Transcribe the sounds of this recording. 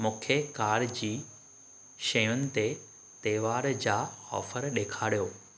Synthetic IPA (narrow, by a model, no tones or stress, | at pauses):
mʊ̃ːkʰekaːɾd͡ʑiː | ʃɐjʊnɪ̆t̪e | t̪eːʋaːɾd͡ʑaːɔ̰ːfəɾɗeːkʰaːɽijoː